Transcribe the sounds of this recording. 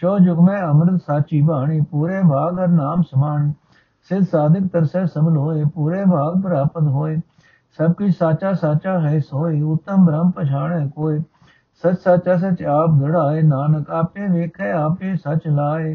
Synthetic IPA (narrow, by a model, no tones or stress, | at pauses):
t͡ʃoːd͡ʒʊkmẽːəmɾəd̪saːt͡ʃiːbaːɳ̃iːpuːɾeːbʱaːɡəɾnaːmsəmaːɳː | sɪd̪saːd̪ɪkt̪əɾsẽːsəbəlɦoːeːpuːɾeːbʱaːɡ̚pəɾaːpət̪ɦoːeː | səb̚kʊt͡ʃʰsaːt͡ʃaːsaːt͡ʃaːɦəsoːeːʊt̪ːəmbɾəmpət͡ʃʰaːɳeːkoːeː | sət͡ʃsaːt͡ʃaːs̬ət͡ʃaːpɡəɽaːeːnaːnəkaːpẽːʋeːkʰeːaːpẽːsət͡ʃlaːeː